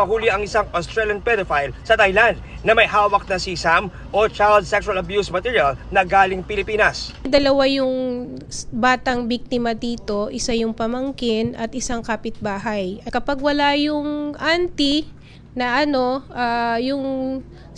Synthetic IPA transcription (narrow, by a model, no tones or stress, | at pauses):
ɐhuːlɪʔɐŋɪsaŋʔost̪ɾɛljɐnpɛd̪ofajlsɐt̪ajland̪̚ | nɐmɐjɦaːwɐk̚nɐsisam | ʔot͡ʃajld̪̚sɛksʊɐlɐbjusmɐt̪iːɹjɐlnɐɡaːlɪŋpɪlɪpiːnɐsd̪ɐlɐwajʊŋ | baːt̪ɐŋbik̚t̪ɪmɐd̪iːt̪o̞ʔɪsajʊŋpɐmɐŋkɪnʔɐt̪̚ʔɪsaŋkaːpɪt̪̚baːɦɐjɐkɐpɐɡ̚wɐlajʊŋʔant̪i | nɐʔɐno̞ʔaːjʊŋ